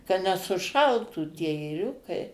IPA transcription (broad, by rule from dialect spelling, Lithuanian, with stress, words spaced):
kɐ nʲɛsʊˈʃɐlˠtuː tʲiɛ eːˈrʲʊkɐɪ